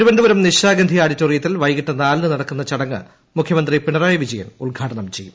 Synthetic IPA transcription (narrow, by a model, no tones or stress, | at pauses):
t̪iɾubɐnd̪ɨʋɐɾɐmniɕaːɡɐnd̪ʱijaːɽitːoːrijɐt̪ːilʋɐjɣiʈːɐnaːlnɨnɐɽɐkːunːɐt͡ɕɐɽɐŋːɨ̰ | mukʰjɐmɐnd̪ripiɳɐraːjɐʋid͡ʑɐjɐ̰mulɡʱaːʈɐɳɐmt͡ɕejːum